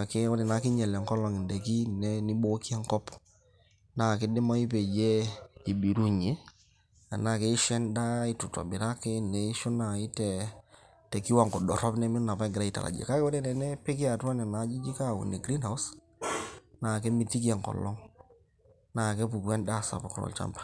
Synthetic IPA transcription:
kɪ˦ɔ˦ɾɪ˨na˨kɪ˦ɲɛ˨lɛ˨ŋkɔ˦lɔ˨ŋɪ˨ndɛ˨ki˦nɛ˦nɪ˦bo˦ki˦a˦ŋkɔ˦p | na˨kɪ˦dɪ˦ma˦i˦pe˨d͡ʒɛ˦i˨bi˨ɾu˦ɲe˨˦ | a˨na˨ke˦ɪ˦ʃɛ˦nda˦ɪ˦tʊ˨tɔ̰˨bɪ˨ɾa˦kɪ˦nɛ˨i˦ʃʊ˦na˨ɪ˦tɛ˨ | tɛ˨ki˦wa˦˨ŋkɔ˨dɔ˨ɾɔ˦pnɛ˦mɪ˦na˨pa˦ɡɪɾa˦i˨ta̰˨la̰˨d͡ʒɛ̰˨ka˦kɛ˦ɛ˦ɾɛ˦nɛ˨nɛ˦pɪ˦kɪ˦a˨twa˦nɛ˨na˨˦d͡ʒi˦d͡ʒi˦ka˦˨ṵ˨nɛ˨ɡɾi˦nha˨ws | naː˨kɛ˦mi˨ti˦ki˦a˨ŋkɔ̰˨lɔ˦ŋ | na˨kɛ˦pu˨pɛ˦nda˦˨sa̰˨pɔ˨klɔ̰˨lt͡ʃa̰˦mpḁ˦˨

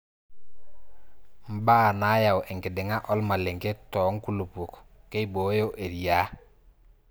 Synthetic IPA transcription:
m˦baː˦na˨˦ja˨we˨ŋke˨de˨ŋa˦ʔo˦lma˨le˨ŋke˦tɔ˨˦ŋku˦lu˨pu˨kke˦jbo˨˦jo˦ʔe˨ɾi˨ja˦

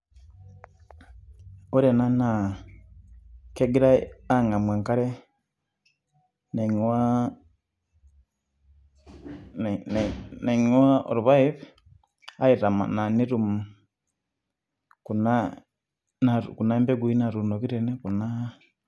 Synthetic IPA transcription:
u˦ɾɛ˨na˦na˨ | kɛ˦ɡi˦ɾa˦a˦ŋa˨mwe˨ŋka˦ɾɛ˦ | ne˨ɲwa˦ | ne˨ɲ˦wa˦o̰˨ɾuβa˦iv | a˦i˨ɾa˨ma̰˨na˨ni˦ɾu˨mu˨ | ku˨na | naku˨na˦mbɛ˦ɡu˨i˦na˨ɾu˨no˨ki˦ɾɛ˨nɛ˦ku˨na˦

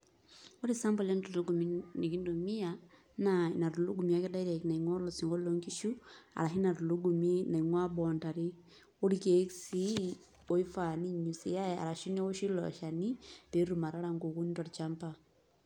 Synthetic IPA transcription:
o˦ɾi˦sa˦mbo˨le˦ntu˨lu˦ɡu˨mini˨ki˦ndo˨mi˦a | nai˨na˨ɾu˨lu˦ɡu˨mia˦ke˦da˦i˦ɾa˨ki˨na˨iŋwa˦lo˨si˨ŋɡo˦lo˦ŋki˦ʃu˦a̰˨la˨ɦi˦na˨ɾu˨lu˦ɡu˨mi˦na˨i˨ŋwa˦bɔ˨nta˨ɾi˦ | o˦ɾi˦ke˨˦ksi˦ | o˦i˦fa˨ni˦ɲu˨si˨ja˦ja̰˨ɾa˨ʃi˦ne˦wo˦ʃi˦lɔ̰˨ʃa˨ni˦pe˦ɾu˨ma˨ɾa˦ɾa˦ŋɡo˨ku˦ni˦twa˨ɾi˨t͡ʃa˦mpa

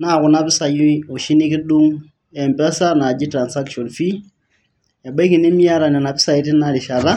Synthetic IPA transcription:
na˦˨kʊ˨na˦βɪ˦sa˨ju˦i˦o˨ʃi˦ni˦kɪ˦du˦ŋ | ɛ˨mbɛ˦sa˦na˨d͡ʒi˦tɾa˨nsa˦kʃɔ˨nfi˦ | ja˨bɛ˦ki˨ni˦mja˦ɾa˨nɛ˨na˨bɪ˦sa˨i˦ti˦na˦ɾi˨ʃa˨ða˦

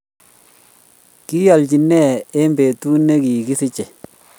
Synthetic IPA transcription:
ki˦ja˨lɟi˨nɛ˦˨ɛ˦mbe˨tu˦ne˦ki˨kɪ˦sɪ˦t͡ʃɛ˨

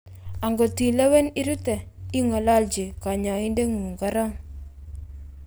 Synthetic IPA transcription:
a˨ŋɡɔ˨ti˨lɛ˦wɛ˦ni˦ɾu˦tɛ˨i˦ŋa˨la˦ld͡ʒi˨ka˨ɲa˨ɪ˦nde˦ŋuː˨ŋɡa˦ɾa˦ŋ

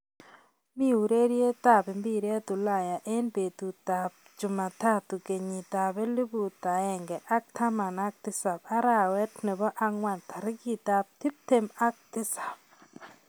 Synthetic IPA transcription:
mi˦u˨ɾe˦ɾje˦ta˦˨bɪ˨mbi˦ɾɛ˦tu˨la˨ja˨ʔe˦nbe˨tu˨ta˨p̚d͡ʒʊ˨ma˨ta˦t̪u˨ke˨ɲi˨t̪a˨bɛ˦li˦bu˨ta˨ɛ˨ŋɡɛ˨ʔa˦k̚t̪ʰa˦ma˨na˦k̚tɪ˦sa˨ba˦ɾa˨wɛ˦tnɛ˨bɔ˦ʔa˦ŋwa˨ntʰa˨ɾɪ˦ki˦ta˦p̚t̪ɪ˦p̚te˦ma˦k̚tɪ˦sḁ˨p̚

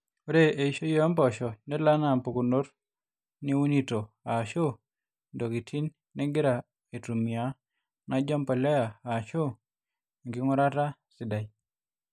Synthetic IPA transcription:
o˦ɾe˦e˨i˦ʃo˦jɔ˦mpɔ˨ʃɔ˨nɛ˦la˦na˦˨mpo˨ko˨no˦ɾ | ni˦u˦ni˦to˨ | a˨ʃo˦ | ndɔ˨ki˨tʰi˦nː | ɛ˦ɡɪ˦ɾa˨ | e˨tu˨mɪ˨a˨˦ | na˦d͡ʒɔ˦mpɔ˨lɛ˦a˨a˨ʃo˦˨ | ŋɡɪ˨˦ŋɔ˦ɾa˦ta˦sɪ˨da˨i˨

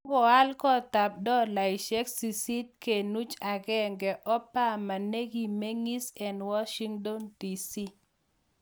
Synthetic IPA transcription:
ɡɔ˨a˦lkɔ˦ta˨p̚dɔ˦la˨jʃɛ˦ksi˨si˦t̚ke˨nu˦t͡ʃa˨ɡɛ˦ŋɡɛ˨ʔɔ˦pa˦ma˨ne˦ɡi˨me˦ŋi˦sɛ˨nwɔ˦ʃi˦ŋdɔ˦ndi˨si˦

